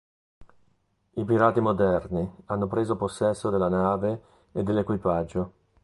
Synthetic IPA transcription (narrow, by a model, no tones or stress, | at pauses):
ipiɾaːt̪imod̪ɛrnianːopɾeːzoposːɛsːod̪elːanaːveː | d̪ːelːekwipad͡ʒːo